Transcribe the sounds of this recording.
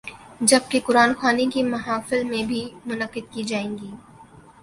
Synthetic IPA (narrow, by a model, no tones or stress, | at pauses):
d͡ʒɐb̚kekʊɾaːnxaːnekimɐɦaːfɪlmẽbʱimʊnəqːɪd̪̚kid͡ʒaːẽːŋɡiː